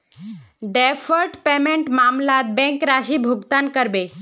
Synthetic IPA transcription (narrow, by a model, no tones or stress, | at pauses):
ɖɛfəɾʈpemeɳʈmamlat̪̚bɛ̃ŋkɾaɕiːbʱuɡt̪ankəɾbe